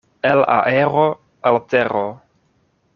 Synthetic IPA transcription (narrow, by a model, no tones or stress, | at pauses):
ela̰ʔeɾo | alteɾo